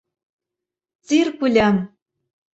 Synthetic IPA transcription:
t͡sirpulʲæm

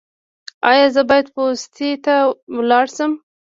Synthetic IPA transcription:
ɑjɑzəbɑjad̪post̪ʰet̪awlɑɽsəm

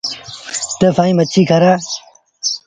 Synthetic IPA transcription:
t̪ɐfaːĩːmɐtt͡ɕʰiːkʰɐɾaː

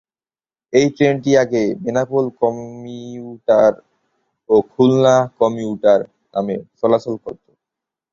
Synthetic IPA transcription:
ejʈɾenʈiaɡebenapolkɔmiuʈaɾ | okʰulnakɔmiuʈaɾ | na̰meʃɔlasolkoɾt̪o̥

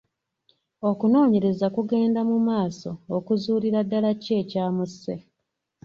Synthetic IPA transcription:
okuno̞ːɲe̞ɾe̞zakuɡe̞ːndamumaːso̞ːkuzuːɾiɾadːalace̞ːcaːmusːe

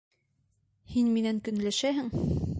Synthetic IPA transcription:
hinminæŋkɵ̆nlæʃæɦɘŋ

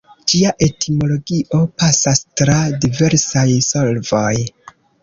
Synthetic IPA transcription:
d͡ʒiaʔe̞tʰimo̞lo̞ɡiʔo̞pasastɾadive̞ɾsajso̞lvo̞j

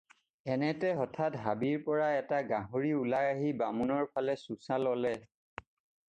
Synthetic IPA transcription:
ɛnɛtɛɦɔtʰatɦabiɹpɔɹaɛtaɡãɦuɹiulajaɦibamunɔɹpʰalɛsusalɔlɛ

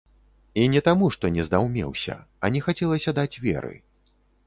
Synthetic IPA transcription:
inʲɛt̪amuʂt̪ɔnʲɛzd̪awmʲɛ̰wsʲɐ̰ɐ̰nʲɛxat͡sʲɛlˠɐsʲɐd̪at͡sʲvʲɛ̰ɾɨ̰

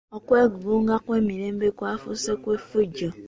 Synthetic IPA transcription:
ɔkʷeɡuɡuŋ̩ɡakʷemiɾem̩bekʷafʊ̰sekʷefud͡ʒɔ

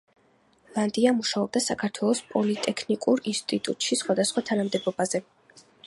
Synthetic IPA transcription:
lˠand̪iamuʃaɔb̚d̪asakʰaɾt̪ʰwɛlˠɔspʼɔlit̪ʼɛkʰnikʼuɾinst̪ʼit̪ʼṵt̪ʼʃisχwad̪asχwat̪ʰanamd̪ɛbɔbazɛ

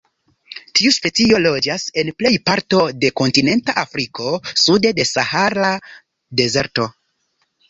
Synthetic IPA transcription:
tiuspe̞t͡sio̞lo̞d͡ʒase̞nple̞jpaɾto̞de̞ko̞ntine̞ntaʔafɾikʰo̞sude̞de̞sahaɾa | de̞ze̞ɾto̞

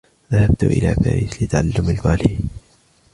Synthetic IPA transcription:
ðahabt̪ʊ̰ʔɪ̰la̰ːka̰ʔɪslɪt̪ːaʕalːʊmalbaːli

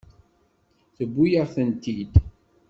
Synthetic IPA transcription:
θəbːujəʁθənt̪id̪

